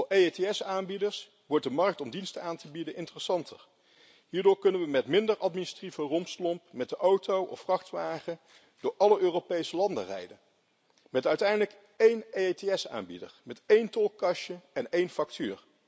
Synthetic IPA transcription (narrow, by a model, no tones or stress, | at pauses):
ejeteɛsaːnbidəɹs | ʋɔɹt̚dəmɑɹk̚tɔmdinstəaːntəbidənʔɪntərəsɑntʰəɹ | ɦiːɹdʊːɹkɵnənʋəmɛtmɪndəɹɑtminɪstrivərɔmslɔmpmɛt̚dəʔowtowʔɔ̰ffrɑχtʋaːχə | d̥ʊːɹʔɑləʔøːrowpejsəlɑndərɛ̰jdən | mɛtœɥtɛjndələk | ejneeteɛsa̰ːnbḭdə̰ɹmɛtejntɔlˠkɑʃəɛnejnfɑk̚ty̰ːɹ